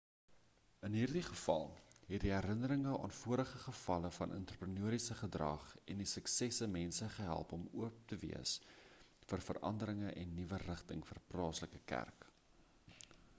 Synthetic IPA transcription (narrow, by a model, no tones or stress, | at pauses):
ənɦiːrdiχəfɐ̰lˠɦɛt̚diɦæɾənəɾəŋəʔɑ̰ːnfuəɾəχəχəfɐləfɐnʔə̰ntrəprənuəɾisəχədrɐ̰χɛndisəksɛsəmɛnsəχəɦæ̰lˠpɔmuəp̚təvḭəs | fərfərʔɐ̰ndəɾəŋəʔɛnːivərəχtəŋfərplɑːsləkəkæ̰rk